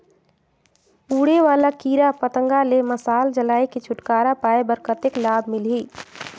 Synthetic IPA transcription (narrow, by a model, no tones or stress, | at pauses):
uːɽeʋaːlakiːɾapət̪ə̃ŋɡaleməsaːld͡ʒəlaːiket͡ʃʰʊʈkaːɾapaːebəɾkət̪ɪklaːbʱmɪlɦi